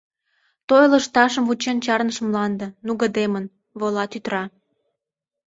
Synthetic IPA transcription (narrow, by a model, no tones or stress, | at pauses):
t̪ojləʃt̪ɑʃəmvut͡ɕent͡ɕɑrnəʃə̆mlɑnd̪ə̆nuɣə̆d̪emən | βolɑt̪yt̪ɾɑ